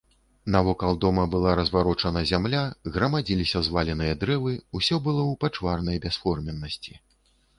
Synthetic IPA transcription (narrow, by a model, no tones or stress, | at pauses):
navɔkalˠd̪ɔmɐbɨlˠaɾɐzvaɾɔt͡ʂɐnɐzʲamlʲaɣɾɐmad͡zʲilʲisʲɐzvalʲɛnɨjɐd̪ɾɛvɨusʲɔbɨlˠɔwpat͡ʂvarnɐjbʲɛsfɔrmʲɛnːɐsʲt͡sʲi